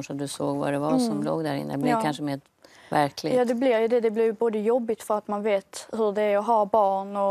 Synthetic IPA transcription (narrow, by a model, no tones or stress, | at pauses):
ʂat̪̚d̪ɵsoːɡva̰d̪ɛvasɔmlo̰ːɡd̪æɾɪ̰nːəblɪkʰanʂəmeːɾ | væɾkʰlɪjɑːd̪ɛblɪɾjɵd̪ɛd̪ɛblɪɾjboːd̪əjɔbːɪt̪fœɾat̪manveːt̪hɵɖɛæɾɔɦɑbɑːɳɔ